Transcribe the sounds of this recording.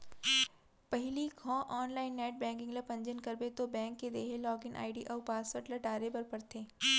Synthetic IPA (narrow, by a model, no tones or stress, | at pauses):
pɐɦɪliɡʱɔ̃ːʔɔːnlaːɪnːɛːʈ̚bɛ̃ːŋkɪ̃ŋɡlɐpɐ̃ɲd͡ʒənkɐɾbet̪obɛ̃ːŋkːed̪eːɦelɔːɡɪnʔa̰ːɪɖiʔɔːɾpaːsəɾʈlɐʈaːɾebɐɾpɐɾt̪ʰeː